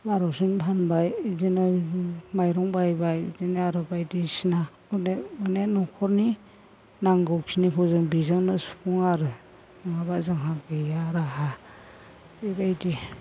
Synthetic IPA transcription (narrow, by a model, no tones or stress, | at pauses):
baɾɔsinpʰanbajzinamajɾɔŋbajbajzinaɾɯbajdisina | ɯneɯnenɔkʰɔɾni | naŋɡɔwksʰinikʰɔzɯŋbizaŋnasu̥puŋaɾɯ | ɯŋabazaŋɦaɡejaɾaɦa | ebajdi